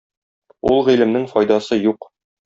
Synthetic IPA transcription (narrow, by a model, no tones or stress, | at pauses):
ulˠʁilɘ̆mnɘŋfɒjd̪ɑsɤjuq